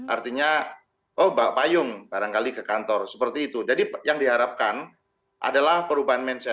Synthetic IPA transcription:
ʔart̪iɲa | ʔɔhbapajʊŋbaɾaŋkalikəkant̪ɔrsəpərt̪iːt̪ud͡ʒadijaŋdiɦaɾap̚kan | ʔa̰dalahpəɾubaɦanmɛnsɛ

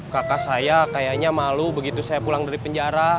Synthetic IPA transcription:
kakasajakajaɲamalubəɡit̪usajapulaŋdaɾipəɲd͡ʒaɾa

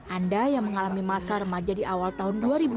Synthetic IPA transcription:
ʔandajaŋməŋalamimasaɾəmad͡ʒadiʔawalt̪aɦʊnduaɾibu

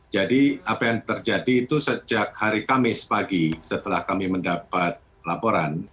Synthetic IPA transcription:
d͡ʒadiapajaŋt̪ərd͡ʒadiːt̪usəd͡ʒak̚haɾikamɪspaɡisət̪əlahkamiməndapat̪̚ | lapoɾan

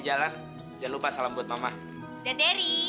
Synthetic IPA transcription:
d͡ʒalan | d͡ʒanlupasalambuat̪̚mamah | d͡ʒat̪eɾi

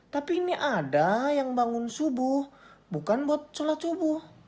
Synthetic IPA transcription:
t̪apiniʔadajaŋbaŋʊnsubʊhbukanbɔt̪̚t͡ʃolat͡ʃubʊh

